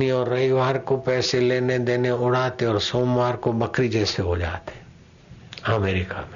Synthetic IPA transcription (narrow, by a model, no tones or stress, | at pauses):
iɔːɾːɐiʋaːɾkopɛːseleːned̪eːneʊɽ̤aːt̪eɔːɾsoːmʋaːɾkobɐkɾid͡ʒɛːseɦod͡ʒa̰ːt̪e | əmeːɾɪka̰mẽ